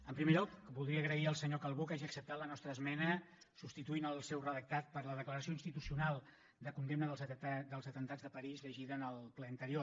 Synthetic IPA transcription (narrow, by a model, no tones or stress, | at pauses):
əmpɾimeʎɔkbuðɾiəɣɾəiəlˠsəɲokalˠβokaʒiəksəp̚t̪at̪lənɔst̪ɾəːzmɛnə | supst̪it̪uinəlˠsɛwrəðək̚t̪at̪̚pəɾləðəkləɾəsioinst̪it̪usiunalˠ | d̪əkund̪emnəðəlˠzd̪əlˠzət̪ənt̪ad͡zðəpəɾizʎəʒiðəːnəlˠplɛənt̪əɾio